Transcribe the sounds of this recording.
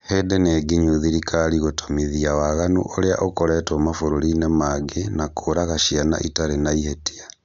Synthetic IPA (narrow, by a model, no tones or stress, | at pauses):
hedeneɡiɲuðiɾikaɾiɣotomiðiawaɣanṵʔoɾea̰ʔokoɾɛtomafoɾoɾinemaɡenakʰoɾaɣaʃiana̰ʔitaɾenaihetia